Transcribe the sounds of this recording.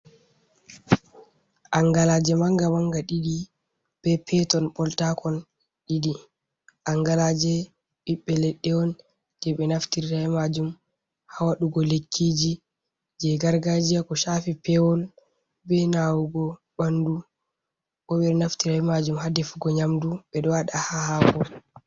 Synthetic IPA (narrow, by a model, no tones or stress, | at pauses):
ʔaŋɡalad͡ʒɛmaŋɡamaŋɡaɗiɗi | b̥ɛpʰɛtɔnɓɔltakʰɔn | ɗiɗi | ʔaŋɡalad͡ʒɛ | ɓiɓːɛlɛɗːɛɔn | d͡ʒ̥ɛɓɛnaftiɾiɾajmad͡ʒum | hawaɗuɡɔlekʰːid͡ʒi | d͡ʒɛɡaɾɡad͡ʒiakɔʃafipɛwɔl | bɛnawuɡɔ | ɓandu | ɓɔɓɛɾnaftiɾajmad͡ʒumhadɛfuɡɔɲamduɓɛɗɔwaɗahahakɔ